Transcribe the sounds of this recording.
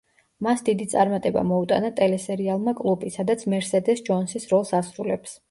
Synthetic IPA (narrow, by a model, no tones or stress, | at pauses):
masd̪id̪it̪sʼaɾmat̪ʼɛba̰mɔut̪ʼa̰nat̪ʼɛlɛsɛɾialˠmakʼlˠubisad̪at̪sʰmɛɾsɛd̪ɛsd͡ʒɔnsisɾɔlˠsasɾulɛps